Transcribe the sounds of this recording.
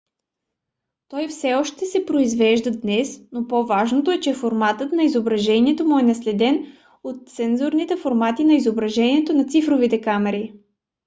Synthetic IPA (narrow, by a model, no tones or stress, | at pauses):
t̪ɔjfsɛɔʃt̪ɛsɛpɾoizvɛʒd̪əd̪nɛsnopovaʒnot̪oɛt͡ʃɛfoɾmat̪ət̪nɐizobɾɐʒɛniɛt̪omuɛnɐslɛd̪ɛn | ot̪̚sɛnzoɾnit̪ɛfoɾmat̪inɐizobɾɐʒɛniɛt̪onɐt̪sifɾovit̪ɛkamɛɾi